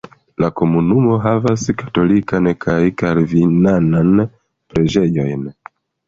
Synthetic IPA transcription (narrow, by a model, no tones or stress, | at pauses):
lako̞munumo̞ɦavaskḁto̞likankʰajkaɾvinanan | pɾe̞d͡ʒe̞jo̞̰jn